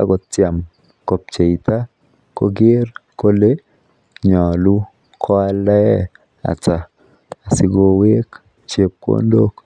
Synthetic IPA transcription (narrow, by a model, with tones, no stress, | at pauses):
a̰˦kɔ˨t͡ʃja˨m | ko˨p̚t͡ʃe˨it̪a˦ | ko˦ɡɪ˦rko˦le˦ | ɲɔ˨lu˦ | kʰɔ˦a˦lɛ˦ɛ˦ | a̰˨t͡ʃa˨ | a˨sɪ˦ɡo˦we˦k | t͡ʃe˨p̚ko̰˦ndo˦k